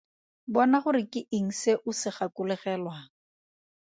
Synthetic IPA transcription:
bɔnaχʊɾɪkʼɪʔɪŋ̩seʔʊsɪχakʊlɛχɛːlwa

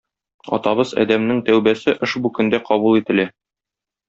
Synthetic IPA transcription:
ɒ̰t̪ɑβɤzɒ̰d̪æmnɘŋt̪æwbæsɘʔɘʃbukɵ̆nd̪æqɒβulˠit̪ɘ̆læ

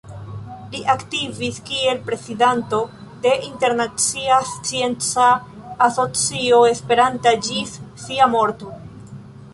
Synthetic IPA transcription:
liʔaktiviskie̞lpɾe̞sidanto̞ | de̞ʔinte̞ɾnat͡siast͡sie̞nt͡saː | so̞t͡sio̞e̞spe̞ɾantad͡ʒifsiamo̞ɾto

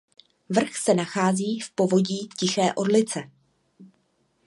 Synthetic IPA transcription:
vr̩xsɛnaxaːziːfpo̞vo̞ɟiːcɪxɛːʔo̞dlɪt͡sɛ

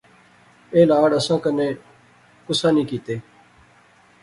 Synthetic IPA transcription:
eːlaːɽəsãːkənẽː | kʊsãːniːkiːt̪eː

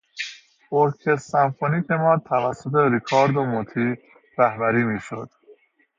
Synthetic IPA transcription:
boɾkʰesæmfoniːt̪emɒːt̪ʰævæsːot̪ʰeɾikʰɒːɾd̪omot̪ʰiː | ɾæhbæɾiːmiːʃod̪̥

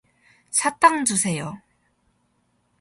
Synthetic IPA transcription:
t͡ɕʰat͈aŋd͡ʑusʰe̞jo

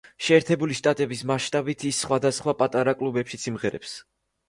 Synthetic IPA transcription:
ʃɛːɾt̪ʰɛbuliʃt̪ʼat̪ʼɛbismaʃt̪ʼabit̪ʰisːχwad̪asχwapʼat̪ʼaɾakʼlˠubɛpʃit̪sʰimʁɛɾɛ̰ps

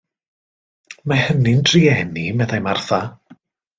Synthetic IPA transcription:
mahənɪndriɛnimɛðajmarθa

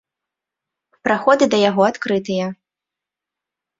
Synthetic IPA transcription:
pɾaxɔd̪ɨd̪ɐjaɣɔat̪kɾɨt̪ɨjɐ

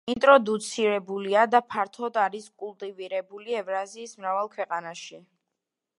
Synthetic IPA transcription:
int̪ʼɾɔd̪ut̪sʰiɾɛbuliad̪apʰaɾt̪ʰɔd̪aɾiskʼulˠt̪ʼiviɾɛbuliɛvɾaziːsmɾavalˠkʰwɛqʼanaʃi

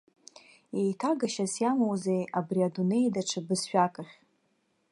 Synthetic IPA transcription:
ejtʰaɡaʃasjamowzejabriadune̞jdaʈ͡ʂʰɨbɨsʃᶣakʼaχʲ

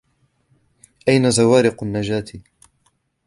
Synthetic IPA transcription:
ʔajnazawaːɾɪqʊnːad͡ʒaːt̪i

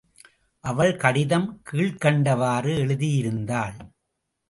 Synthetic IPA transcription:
ʔɐʋɐɭkɐɽɪðɐmkiːɭkɐɳɖɐʋaːrɯɛɭɯðijɪɾɯnd̪aːɭ

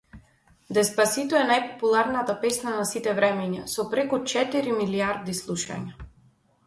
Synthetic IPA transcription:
d̪ɛspasit̪ɔɛnajpɔ̥pulˠaɾnat̪apɛsnanasit̪ɛvɾɛmɛɲasɔpɾɛkut͡ʃɛt̪iɾimiliaɾd̪islˠuʃa̰ɲa

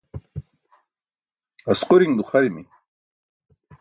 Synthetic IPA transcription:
ɐsqʊɾiŋd̪uχɐɾimi

